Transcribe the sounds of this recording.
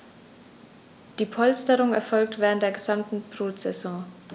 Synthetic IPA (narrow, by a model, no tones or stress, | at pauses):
d̥iːpʰɔlstəʁʊŋɛ̰ɐfɔlk̚tv̥ɛːʁntd̥eːɐɡəzamtn̩b̥ʁoːtz̥ɛzɔ̃